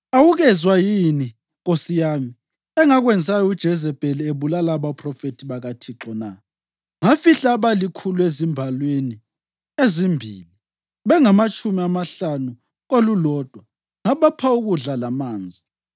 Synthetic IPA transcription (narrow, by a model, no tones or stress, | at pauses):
awuɣɛzwajini | ɣosijami | ɛŋaɣwɛnd͡zʱajɔud̥ʒ̥ʱɛzɛb̥ʼʱɛlɛeβulalaβapʰrɔfetʰiβaɣatʰiǁɔna̰ | ŋafiɬaβalikʰuluezimbʱalweni | ezimbʱḭːli | βɛŋamat͡ʃʼumiamaɬanu | ɣolulɔːd̥ʱwa | ŋaβapʰauɣuɮalamaːnd͡zʱi